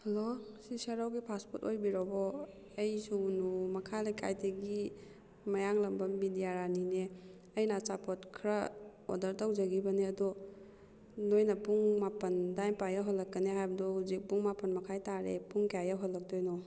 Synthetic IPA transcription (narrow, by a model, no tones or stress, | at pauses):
hɐlosisɐɾawɡipʰaspotojbiɾɔbɔ | ɐjsunumɐkʰalajkʰa̰jteɡi | mɐjaŋlɐmbɐmbidijaɾanine | ɐjnat͡ʃapʰɔtkʰɾao̰dɐɾtawd͡ʒɐɡibɐneɐdɔ | nojnɐpuŋmapɐndajmpajaɦɔlːɐkːɐneɦajbɐdɔhuzik̚puŋmapɐnmɐkʰajtaɾḛpuŋkajaɦɔlːɐk̚tojnɔ